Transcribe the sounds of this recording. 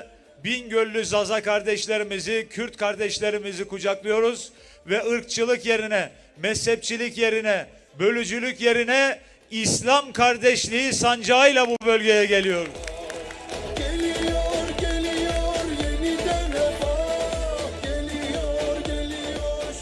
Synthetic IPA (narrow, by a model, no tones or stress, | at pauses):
binɟølʲːyzazakaɾd̪ɛʃlʲe̞ɾimizicʰyɾt̪kʰaɾd̪ɛʃlʲe̞ɾimizikud͡ʒaklˠɯjo̞ɾuz | vɛɯɾk̚t͡ʃʰɯlˠɯkje̞ɾinɛ | mɛshɛp̚t͡ʃʰilʲicje̞ɾinɛ | bø̞lʲyd͡ʒylʲycje̞ɾinɛ | islʲamkʰaɾd̪ɛʃlʲiisand͡ʒaːjlˠabubø̞lʲɟe̞jɛɟe̞lʲijo̞ɾ | elijoɾelijoɾjenid̪ɛlɛba | lolijoɾ